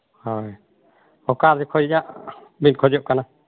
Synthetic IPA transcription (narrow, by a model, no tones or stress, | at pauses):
hɔj | ɔkaɾd͡ʒɛkʰɔjjaʔbinkʰɔd͡ʒɔʔkana